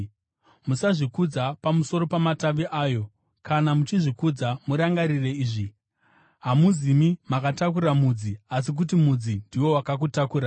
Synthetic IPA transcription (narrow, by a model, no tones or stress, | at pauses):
musaʐikud͡zapamuso̞ɾo̞pamataʋiʔaːjo̞ | kʰanamut͡ʃiʐikud͡zamuɾaŋɡaɾire̞iːʐi | ɦamuzimimakatakuɾamud͡zias̬ik̬ut̬imud͡zindiwo̞wakak̬utakuːɾa